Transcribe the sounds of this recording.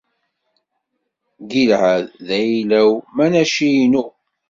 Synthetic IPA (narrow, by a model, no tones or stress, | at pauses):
ɡilʕæððæjlæwmænæʃijnu